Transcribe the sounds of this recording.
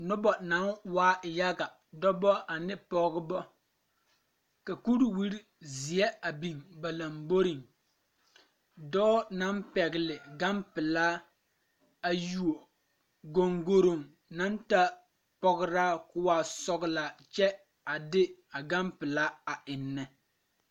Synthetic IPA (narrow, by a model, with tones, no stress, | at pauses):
nʊ˦bɔ˨na˨˦nwaː˦˨ja˦ɡa˨ | dɔ˦bɔ˦a˨nɪ˦pɔ˨ɡɪ˦bɔ˦ | ka˨ku˦ɾwi˦ɾi˦ | zi˨ɛ˦a˨bi˨ŋba˨la˨mbo˦ɾi˨ŋ | dɔː˦na˨˦npɛ˨ɡɪ˨lɪ˨ɡa˦mpɪ˨laː˦ | a˨ju˨o˨ | ɡo˨ŋɡo˦ɾo˨ŋ | na˦nta˦ | pɔ˦ɡɪ˦ɾaː˦kʊ˦waː˨sɔ˨ɡla˨t͡ʃɛ˦ | a˨dɪ˦a˨ɡa˦mpɪ˨laː˦a˨ʔɪ˨nːɛ˦